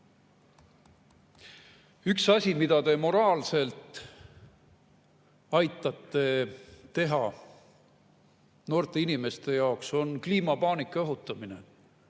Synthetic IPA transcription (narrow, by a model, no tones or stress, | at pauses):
yksɑsʲimid̪ɑt̪e̞mo̞ɾɑːlse̞lt̪ | ɑjt̪ːˑɑt̪ːe̞e̞ɦɑ | no̞ːrt̪e̞inime̞st̪e̞jɑokso̞nkliːmɑpɑːnikːˑɑɑɦut̪ːˑɑmine̞̰